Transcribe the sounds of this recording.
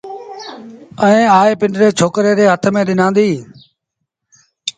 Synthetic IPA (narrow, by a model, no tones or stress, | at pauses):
ə̃ĩːaːeːpɪɳɖɾeːt͡ʃʰoːkɾeːɾeːɦət̪ʰmẽːɗɪnãːnd̪iː